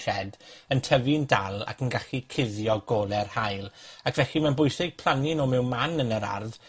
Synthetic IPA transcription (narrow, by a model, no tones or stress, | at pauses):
ʃɛdəntʰəvindalˠa̰kʰənɡaɬikʰɪðjɔɡɔːlˠɛrhajlˠakʰvɛɬimɛnbʊjsɪɡ̥̚pʰl̥ˠaninomɛwmanənəɾa̰rð